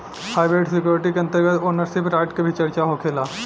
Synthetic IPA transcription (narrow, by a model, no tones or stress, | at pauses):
haːɪbɾeːʈsɪkjoːɾʈikeɐ̃nt̪əɾɡət̪oːnəɾsɪpɾaːɪʈkebʱit͡ʃɐɾt͡ʃaɦokʰeːlaː